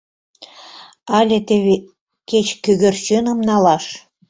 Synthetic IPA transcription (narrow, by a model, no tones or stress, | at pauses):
ɑlʲĕt̪eβe | ket͡ɕkøɣɘ̆rt͡ɕønɤ̆mnɑlɑʃ